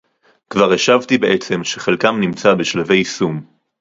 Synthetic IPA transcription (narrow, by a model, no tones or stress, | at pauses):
kvaʁeʃavt̪ibeʔet͡se̞mʃeχelkamnimt͡sabeʃlave̞jsum